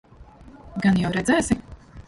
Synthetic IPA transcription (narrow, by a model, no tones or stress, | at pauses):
ɡanjawɾɛd̪zɛːsʲim